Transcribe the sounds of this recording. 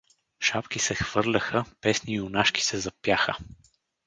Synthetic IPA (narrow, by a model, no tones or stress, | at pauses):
ʃapkisɛxv̥ɤɾlʲəxəpɛsniːʊnaʃki̥sɛzɐpjaxə